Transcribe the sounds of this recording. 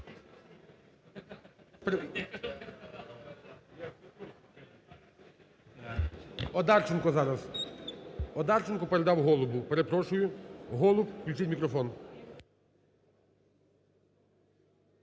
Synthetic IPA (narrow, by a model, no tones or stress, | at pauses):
pɾ | ɔd̪ɑrt͡ʃɪnkɔzɑɾɐz | ɔd̪ɑrt͡ʃɪnkɔpeɾed̪ɑwɦɔlˠʊbʊpeɾepɾɔʃʊjʊɦɔlˠʊpklʲʊt͡ʃɪt̚ʲmʲikɾɔfɔn